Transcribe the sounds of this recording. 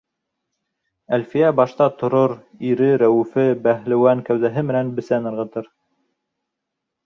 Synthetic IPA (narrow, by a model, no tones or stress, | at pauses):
ælfijæbɑʃt̪ɑt̪ŏɾoɾiɾɘɾæwʉfɘbæɦlɘ̆wæŋkæwðæɦɘmɘ̆nænbɘ̆sænɤ̆ɾʁɤ̆t̪ɤɾ